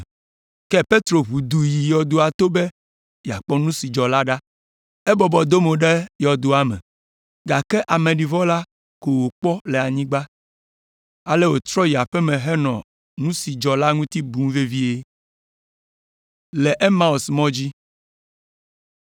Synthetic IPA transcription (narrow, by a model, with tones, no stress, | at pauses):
kɛ˦pe˦t̪ɾo˨βu˨d̪u˨ji˨jɔ˨d̪o˨a˨t̪o˦be˦ | ja˨k͡pɔ˦nũ˦si˨d͡ʒɔ˨la˦ɖa˦ | ɛ˦bɔ˨bɔ˨d̪o˦mo˨ɖe˦jɔ˨d̪o˨a˦mɛ̰̃˨ | ɡa˨kɛ˦ʔa˨mẽ˨ɖi˨vɔ˦la˦ | ko˨wo˨k͡pɔ˦lɛ˨a˨ɲĩ˦ɡ͡ba˦ | a˨lɛ˦wo˨t̪ɾɔ˦ji˨a˨ɸɛ˦mɛ̃˨ɦɛ˦nɔ̃˨ | nũ˦si˨d͡ʒɔ˨la˦ŋũ˦t̪i˦bũ˦ve˦vi˦e˦ | lɛ˨ʔe˦ma˦o˨smɔ̃˦d͡ʑi˦